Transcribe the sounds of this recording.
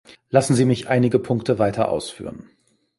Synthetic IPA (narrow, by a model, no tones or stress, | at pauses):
lasn̩ziːmɪçʔaɪnɪɡəpʰʊŋktʰəvaɪtʰɐʔa̰ʊsfy̰ːʁən